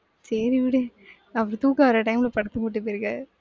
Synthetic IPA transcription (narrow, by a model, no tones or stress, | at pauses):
sɛɾiʋɪɽe | ɐʋɐɾt̪uːkaʋɐɾɐʈɐɪmɪlɐpɐɽɐt̪ːɯmuʈːɯpiɾɯkɐ